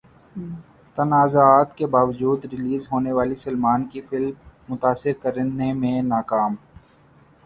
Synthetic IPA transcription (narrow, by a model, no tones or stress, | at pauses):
t̪ɐnaːzaaːt̪kebaːʋəd͡ʒuːd̪ɾɪliːzɦoːneʋaːlisɐlmaːnkifɪlmːʊt̪aːsɪɾkəɾnemẽnaːkaːm